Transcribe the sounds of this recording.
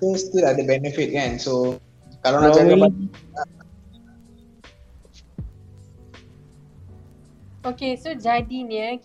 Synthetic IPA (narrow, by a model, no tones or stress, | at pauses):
əst̪uladəbɛnəfit̚kãnso | kalanaʔt͡ʃaəbania | okesod͡ʒadinjə